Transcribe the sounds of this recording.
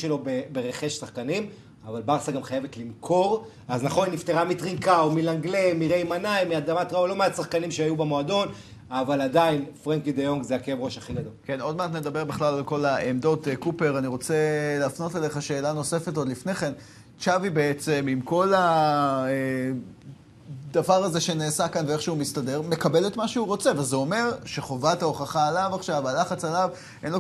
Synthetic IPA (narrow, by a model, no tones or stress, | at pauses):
ʃelo̞bebe̞ʁeχe̞ʃsaχkanim | avalbaʁsaɡamχajevet̪limkʰo̞ʁ | aznaχonnift̪eʁamit̪ʁikaomilaŋɡlemiʁejmanaimiad̪amat̪ʁaolo̞measaχkanimʃeajubemo̞ado̞n | avaladainfʁeŋkid̪ejo̞ŋɡzeakevʁo̞ʃaχiɡad̪o̞lke̞no̞d̪mat̪̬ne̞d̪abe̞ʁbiχlalalko̞laemd̪o̞t̪ekupe̞ʁaniʁo̞t͡seleːfno̞tale̞χaʃe̞ːlano̞se̞fe̞tod̪lifne̞χe̞n | t͡ʃavibe̞et͡se̞mimko̞lae | d̪avaʁaze̞ʃe̞neːsakanveeχʃeumistade̞ʁme̞kabe̞let̪maʃeuʁo̞t͡se̞vezeo̞me̞ʁʃe̞χo̞vataoχaχaːlavaχʃavalaχat͡salav | ʔenlo